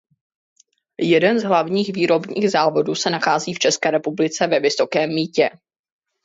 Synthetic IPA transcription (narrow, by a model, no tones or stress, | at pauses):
jɛdɛnzɦlavɲiːxviːɾo̞bɲḭːɣzaːvo̞duːsɛnaxaːziːft͡ʃɛskɛːɾɛpublɪt͡sɛvɛvɪso̞kɛːmːiːcɛ